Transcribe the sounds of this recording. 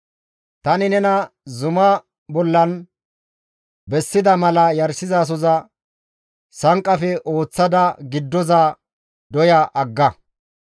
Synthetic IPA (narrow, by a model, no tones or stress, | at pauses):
t̪ɐnɪnɛnɐzʊmɐ | bɔlːɐn | bɛsːɪd̪ɐmɐlɐjɐɾsɪzaːs̬ɔzɐ | sɐŋkʼːɐfɛʔo̞ːt͡sːɐd̪ɐɡɪd̪ːɔza | d̪ɔjɐʔɐɡːɐ